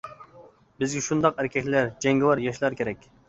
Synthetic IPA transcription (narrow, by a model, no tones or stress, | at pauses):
bɪzɡʲɛʃund̪ɑqæɾkʲʰɛkʲlæɾd͡ʒɛŋɡɪwɑɾjɑʃlˠɑɾkʲʰeɾɛkʲ